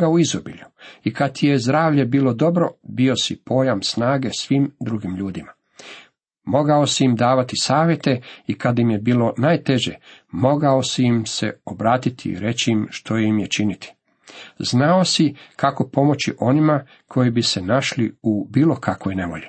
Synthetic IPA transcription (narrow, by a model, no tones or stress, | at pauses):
ɡauizobḭʎuikat̪ijezd̪ɾaːʋʎe̞biːlo̞d̪o̞bɾo̞bio̞sipo̞jamsnaːɡe̞sʋimd̪ɾuɡimʎuːd̪ima | mo̞ɡao̞siimd̪aːʋat̪isaːʋje̞t̪e̞ikad̪imje̞biːlo̞najt̪e̞ʒemo̞ɡaosijimse̞̰obɾaːt̪it̪ʰḭḭɾe̞t͡ɕiimʃt̪ʰo̞jimjet͡ʃinit̪i̥ | znao̞sikako̞po̞mo̞t͡ɕiʔo̞nima | kʰo̞jibise̞naʃliubiːlˠo̞kʰakʋojne̞ʋo̞̰ʎi